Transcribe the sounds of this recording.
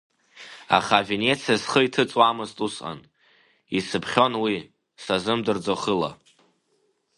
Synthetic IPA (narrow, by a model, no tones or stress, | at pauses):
a̰χave̞ne̞t͡sʰiasχəitʰɨt͡sʼwamɨztʼusa̰n | isɨpʰχʲo̞nwi | sazɨmdɨrd͡zoχəla̰